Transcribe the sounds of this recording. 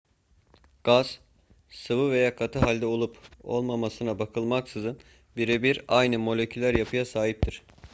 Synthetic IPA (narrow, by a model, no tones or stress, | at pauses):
ɡ̥az̥ | sɯvɯve̞jaːkʰat̪ʰɯɦalʲd̪ɛo̞lˠupo̞̰lˠmamasɯnabakʰɯlˠmaksɯzɯn | biɾebiɾajnɯmo̞lʲecʰylʲæɾjapʰɯjasaːɦip̚t̪ʰiɾ̝̥